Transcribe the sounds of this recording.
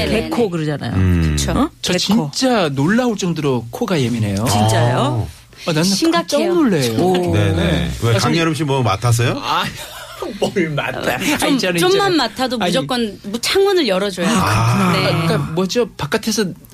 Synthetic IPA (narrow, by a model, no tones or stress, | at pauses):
eekʰokɯɾʌd͡ʑana̰jo̰kɯt͡ɕʰot͡ɕʌt͡ɕinot͡ɕ͈anoɭːauɭt͡ɕ͈ʌŋdɯɾokʰoɡaje̞mine̞jot͡ɕint͡ɕ͈ajo | anannːaiɡat͡ɕ͈ʌnoɭːejonenewekaŋjʌɾɯmɕ̬ʰimʌma̰tʰas̬ʰʌjoaj | bʌɾima̰tʰaot͡ɕant͡ɕomːanmatʰadoad͡ʑʌk͈ʌnmut͡ɕʰaŋwʌnɯɭjʌɾʌd͡ʑojoknek͈amwʌd͡ʑʌpak͈atʰesʰʌ